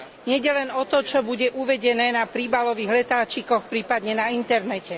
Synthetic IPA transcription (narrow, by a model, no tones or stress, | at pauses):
ɲɪɛɟɛlɛnɔt̪ɔt͡ʃɔbuɟɛʔuʋɛɟɛnɛːnapɾibalɔʋiːɣlɛt̪aːt͡ʃikɔxpɾiːpad̪ɲɛnaint̪ɛɾnɛcɛ